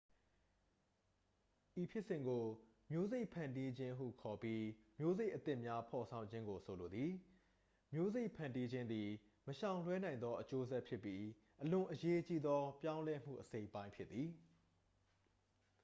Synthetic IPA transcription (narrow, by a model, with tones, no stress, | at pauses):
ʔi˨pʰjɪ˦ʔsɪ̃˨ŋɡo˨ | mjo˦ze˦ɪʔpʰã˨ndi˦d͡ʑɪ̃˦ɦṵ˦˨kʰɔ˨pji˦mjo˦ze˦ɪʔət̪ɪ̃˦ʔmja˦pʰɔ˨sʰã˨ʊ̃ɲd͡ʑɪ̃˦ŋɡo˨sʰo˨lo˨d̪ði˨ | mjo˦ze˦ɪʔpʰã˨ndi˦d͡ʑɪ̃˦nd̪i˨ | məʃã˨ʊ̃l̥wɛ˦nã˨ɪ̃nd̪ɔ˦ʔət͡ɕo˦zɛ˦ʔpʰjɪ˦ʔpːji˦ | ʔəlʊ̃˨ʔəje˦t͡ɕi˦d̪ɔ˦pjã˦ʊ̃lɛ˦m̥ṵ˦˨ʔəse˦ɪʔpːã˦ɪ̃pʰjɪ˦t̪ːi˨